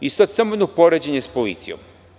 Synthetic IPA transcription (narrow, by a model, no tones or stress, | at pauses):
ist̪at̪samonopoɾed͡ʑeɲespolḭt̪sijo̰m